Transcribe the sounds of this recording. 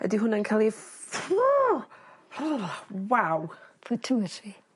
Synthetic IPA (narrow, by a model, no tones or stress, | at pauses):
ə̰diɦʊnankʰaːlˠif | wawfətʰuti